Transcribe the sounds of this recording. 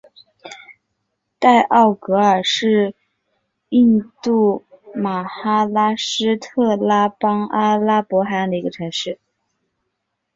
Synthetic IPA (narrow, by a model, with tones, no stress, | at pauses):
t̪a˥˧ɪʔɑ˥˩ʊkɤ˧˥ə˞˨˩ʂɻ̩˥˧ | i˥˧nt̪u˥˩ | ma˨˩xa˥la˥ʂɻ̩˥t̪ʰɤ˥˩la˥pɑ˥ŋa˥la˥pwɔ˧˥xa˥a˥˧ŋd̪ə˩i˧˥ɡə˧ʈ͡ʂʰɤ˧˥ŋʂɻ̩˥˩